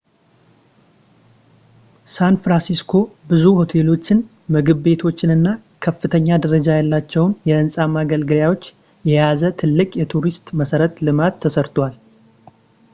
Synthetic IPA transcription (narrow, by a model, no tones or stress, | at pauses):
sanfɾansiskʰo̞bɨzuho̞t̪ʰe̞lo̞t͡ʃːɪn | mɨɡɨβbe̞t̪ʰo̞t͡ʃːɪnɨnːa | kʰəfːɨt̪ʰəɲːad̪əɾəd͡ʒajalːat͡ʃːɛwnjɛɨnsʼamaɡəlɡɨljawo̞t͡ʃː | jɛjazət̪ʰɨlːɨkʼjɛt̪ʰuɾist̪məsəɾət̪lɨmat̪ʰːəsəɾt̪wal